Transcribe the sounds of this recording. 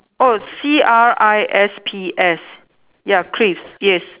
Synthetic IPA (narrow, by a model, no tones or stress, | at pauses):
osiaɹajʔɛspʰiʔɛs | jakʰɹifsjɛs